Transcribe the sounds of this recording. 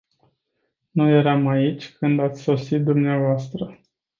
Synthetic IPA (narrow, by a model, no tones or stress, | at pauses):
nuje̞ɾamait͡ʃʲkɨnd̪at̪sʲso̞sit̪̚d̪umneavoast̪ɾə